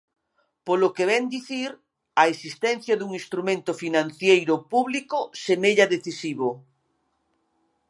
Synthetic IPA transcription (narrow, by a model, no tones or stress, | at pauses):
polokeβɛnd̪iθiɾ | ɐesist̪ɛnθjɐðuŋĩst̪ɾumẽnt̪ʊfinãn̟θjejɾʊpuβlikosemeʎaðeθisiβo